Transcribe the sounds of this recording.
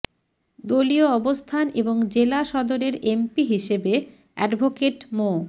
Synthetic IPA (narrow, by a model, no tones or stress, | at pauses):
d̪olioɔbost̪ʰaneboŋd͡ʑelaʃɔd̪oɾeɾempiɦiʃebe | ɛ̰ɖbʱokeʈmo